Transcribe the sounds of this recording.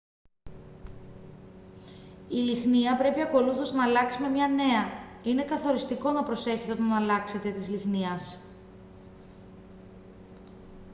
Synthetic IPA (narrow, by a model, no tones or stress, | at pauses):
ilixniɐpɾe̞piɐko̞luθo̞znɐːlɐksime̞mɲɐne̞ɐine̞kɐθo̞ɾist̪iko̞nɐpɾo̞se̞çet̪eot̪ɐnɐːlɐkse̞t̪e̞t̪izlixniɐs